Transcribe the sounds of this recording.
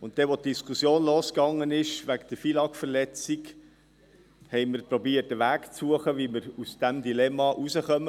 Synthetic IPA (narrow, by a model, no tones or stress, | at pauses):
ʊnttːɛʋot̚d̥iskʰusjoːnloːskɑŋːənɪʃʋækd̪̥əfilɑkfəɾlɛt͡sik | hɛɪməɾpɾɔbiːətəʋæːkt͡suəχəʋiməɾusd̥æmdilɛmɑʔusəχœmə